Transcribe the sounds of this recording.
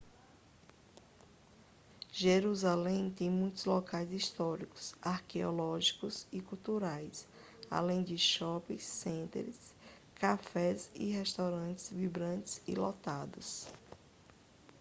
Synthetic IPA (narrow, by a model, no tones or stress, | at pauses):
ʒeɾuzalẽj̃t̪ẽj̃mũj̃t̪ʊzlɔkajzist̪ɔɾikʊ̥saɾkeɔlɔʒikʊsikuwt̪uɾajs | a̰lẽj̃d͡ʒɪʃɔpĩsːẽnt̪ɾɪs | kafɛsḭɦɛst̪awɾɐ̃t͡ʃɪ̥zvibɾɐ̃t͡ʃɪzḭlɔt̪ad̪ʊs